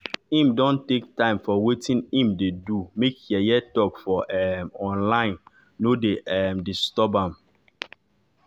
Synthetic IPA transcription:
ĩmdɔ̃ntek̚tãɪ̃mfɔwetʰĩnĩmdedumekjɛjɛtɔkfɔʔɛmɔ̃nlãɪ̃nː | odeɛmdistɔbãm

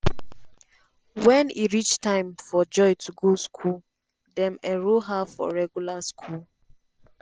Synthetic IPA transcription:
wɛ̃niɹit͡ʃtãɪ̃mfɔd͡ʒɔɪtuɡoskʰul | dɛ̃mɛɹoɦafɔ̰ɹɛɡjulaskʰul

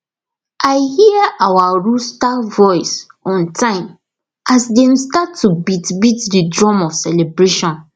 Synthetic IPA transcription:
ʔaɪhiawaɹustavɔɪs | ɔ̃ntʰãɪ̃m | asdẽmstatʰːubitbitdidɹɔ̃mɔvsɛlebɹeʃɔ̃n

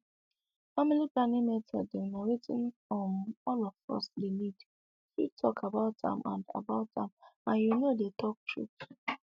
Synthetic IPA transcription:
familiplanĩmɛtʰɔ̰dɛnaɹetʰḭ̃nfɔ̃mɔlɔfɔ̰sdenid | fitʰɔkʰabaʊtã̰mʔã̰nda̰baʊtãmãnjunodetɔk̚tʰɹṵp

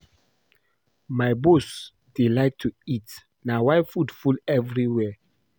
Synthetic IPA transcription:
majbos | d̥elaɪk̚tʰuit | nawaɪfudfulɛvɹiwɛ

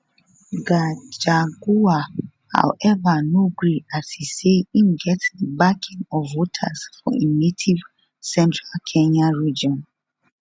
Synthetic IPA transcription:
ɡad͡ʒaɡua | ha̰wɛvanoɡɹiasiseimɡɛtdəbakʰɪ̃ŋɔvotʰa̰sfɔ̰inetʰiv | sɛ̃ntʰɹalkʰɛ̃ɲãɹid͡ʒiɔ̃n

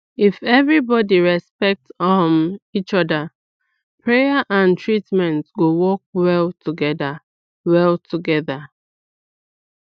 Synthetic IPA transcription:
ifɛvɹibɔdiɹɛspɛk̚tɔmit͡ʃɔda | pʰɹejaʔãntɹitmɛ̃ntɡowɔk̚wɛlˠtʰuɡɛda | wɛlˠtʰuɡɛða

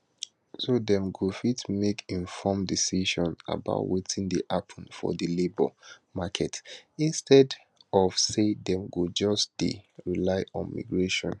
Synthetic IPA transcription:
sodɛ̃mɡufitmekʰĩnfɔmdisiʃɔ̃na̰ba̰ʊtwetʰĩŋdiʔapʰɔ̃nfɔ̰ðilebɔ̰makʰɛtĩnstɛd | ɔv̥sedɛ̃mɡud͡ʒɔsd̥ḭɹilaɪʔɔ̰̃nmḭɡɹeʃɔ̰̃n

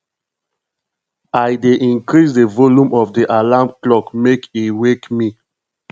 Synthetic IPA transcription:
ajdeʔĩnkɹis̬dəvoljũmɔfdiʔalamklɔkmekiwekmi

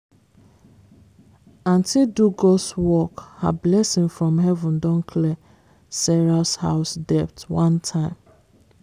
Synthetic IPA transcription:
ãntʰɪduɡɔswɔkha̰blɛsɪ̃ŋfɹɔ̃mɦɛvũndɔ̃nkʰlɛ | sɛɹasha̰ʊsdɛp̚twãntʰãɪ̃m

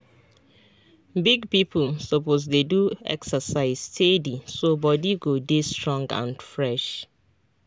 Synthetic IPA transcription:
biɡpip̩sɔpoz̬deduɛ̰ksəsaɪzstʰedisobɔdiɡodestɹɔ̃ŋɡã̰nfɹɛʃ

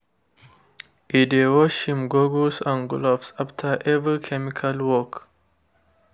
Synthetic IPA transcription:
ʔidewɔʃhĩmɡoɡosãnɡlɔfsaftʰəʔɛvikʰɛmikʰalwɔk

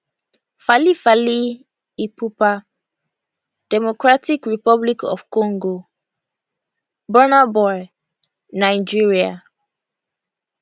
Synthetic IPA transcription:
falifali | ipupa | d̥ɛmokɹatikɹipɔblikɔ̰fkɔ̃ŋɡo | bɔnabɔj | naɪd͡ʒiɹia̰

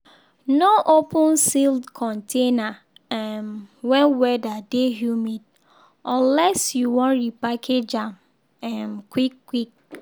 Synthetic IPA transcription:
noʔopũnsildkʰɔ̃ntʰena | amwɛ̃nwɛdadeɦjumid | ɔ̃lɛsjuwɔ̃nɹipakʰed͡ʒãm | ɛmkwikːwik̚

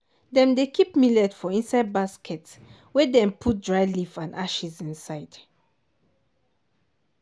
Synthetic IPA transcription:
dɛ̃mdekʰipmilɛdfɔĩnsaɪd̚baskʰɛts | wɛdɛ̃mpʰut̚dɹajlifãnaʃizĩnsaɪd̥

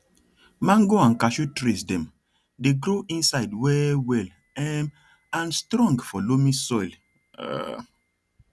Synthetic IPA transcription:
mãnɡoãnkaʃutɾesdɛ̃m | deɡɾoʔĩnsaɪdwɛwɛl | ɛm | ãnstɾɔ̃ŋɡfɔlomĩsɔjl̰

